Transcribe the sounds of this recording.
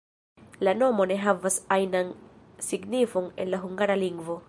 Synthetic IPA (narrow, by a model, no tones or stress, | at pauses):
lano̞mo̞ne̞ɦavasajnan | siɡnifo̞ne̞̰nlaɦuŋɡaɾaliŋɡvo̞